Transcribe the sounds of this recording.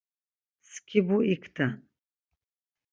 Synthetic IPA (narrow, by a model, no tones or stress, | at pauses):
skʰibuikʰt̪ʰa